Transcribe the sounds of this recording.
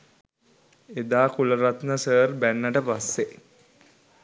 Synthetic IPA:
ed̪aːkuləɾat̪nəsəːrbænːəʈəpasːe

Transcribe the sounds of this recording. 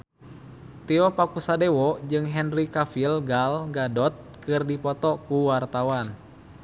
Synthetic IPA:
t̪iɔpakusadɛwɔd͡ʒɨŋɦɛnrikafilɡalɡadɔt̪̚kɨrdipɔt̪ɔkuwart̪awan

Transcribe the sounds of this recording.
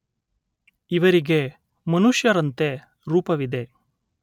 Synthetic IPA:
iʋɐɾiɡe̞ | mɐnuʂjɐɾɐnt̪e̞ | ɾuːpɐʋid̪e̞

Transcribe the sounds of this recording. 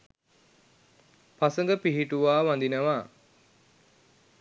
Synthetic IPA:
pasəŋɡəpiɦiʈuʋaːʋand̪inəʋaː

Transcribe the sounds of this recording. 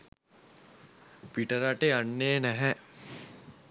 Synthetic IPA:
piʈəɾaʈeanːeːnæɦɛ

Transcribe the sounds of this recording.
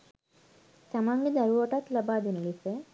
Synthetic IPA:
t̪amaŋɡed̪aɾuʋaʈat̪labaːd̪enəlise

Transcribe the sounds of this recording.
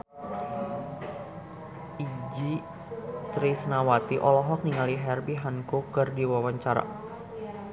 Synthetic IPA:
id͡ʒi | t̪ɾisnawat̪iʔɔlɔɦɔk̚niŋaliɦɛrbiɦankukɨrdiwawaɲt͡ʃaɾa̰

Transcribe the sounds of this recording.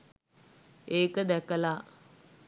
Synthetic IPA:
eːkəd̪ækəla

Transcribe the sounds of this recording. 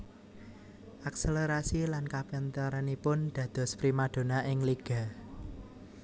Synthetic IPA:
ʔakseleɾasilankapənt̪əɾanipʊnd̪̥ä̤d̪̥ɔ̤spɾimaɖ̥o̤naʔɪŋliɡ̥a̤

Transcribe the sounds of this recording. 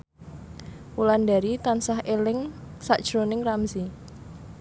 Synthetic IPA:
ʔuland̪aɾit̪ansahʔelɪŋsaʔd̥ʒ̥ɾonɪŋramzi

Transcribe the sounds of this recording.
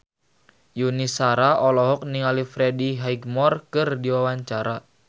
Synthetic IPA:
junisaɾaɔlɔɦɔk̚niŋalifɾɛdiɦaiɡmɔrkɨrdiwawaɲt͡ʃaɾa

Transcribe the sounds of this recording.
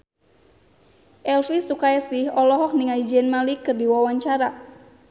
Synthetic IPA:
ʔɛlfisukajasihɔlɔɦɔk̚niŋaid͡ʒɛnmalikɨrdiwawaɲt͡ʃaɾa

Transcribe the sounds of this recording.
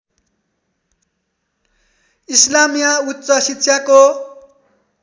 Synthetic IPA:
islamijautːt͡sʌsit̪ːsʰjako

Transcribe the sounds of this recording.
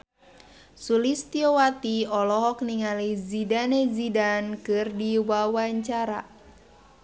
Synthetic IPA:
sulist̪iowat̪iɔlɔɦɔkniŋalizidanezidankɨrdiwawaɲt͡ʃaɾa

